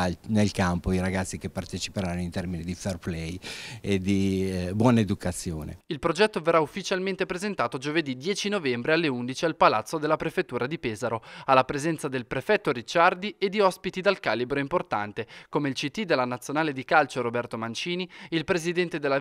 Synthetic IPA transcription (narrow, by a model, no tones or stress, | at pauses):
nelkampoiɾaɡat̪sːikepːart̪et͡ʃi̥peɾanːoint̪ɛrminid̪iferplɛjed̪ibwɔnaed̪ukat̪sːjo̰ːnḛilpɾod͡ʒɛt̪ːoverːaufːit͡ʃalment̪epɾezent̪aːt̪od͡ʒoved̪id̪jɛːt͡ʃinovɛmbɾealːeund̪it͡ʃialpalat̪sːod̪elːapɾefet̪ːuːɾad̪ipɛːzaɾoalːapɾezɛnt̪sad̪elpɾefɛt̪ːoɾit͡ʃːard̪ied̪ːiɔspit̪id̪alkaːlibɾoimport̪a̰nt̪ekomeilt͡ʃit̪ːid̪elːanat̪sːjonaːled̪ikalt͡ʃoɾobɛrt̪omant͡ʃiːniilpɾezid̪ɛnt̪ed̪elːa